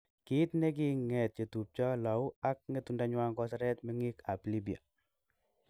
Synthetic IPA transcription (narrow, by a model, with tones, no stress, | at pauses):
kit̪ne˦k̬iŋɛ˨t̚t͡ʃe˨tu˨p̚t͡ʃɔ˦la˨wak̚ŋetundaɲwa˦ŋɡɔ˦saɾɛ˦t̪meŋi˦kaplibi˨a̰˨